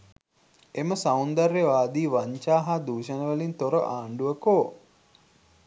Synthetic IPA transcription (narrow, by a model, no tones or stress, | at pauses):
eməsaund̪arːeʋaːd̪iːʋaɲt͡ʃaːɦad̪uːʃənəʋəlint̪oɾə̰ʔaːɳɖuəkoː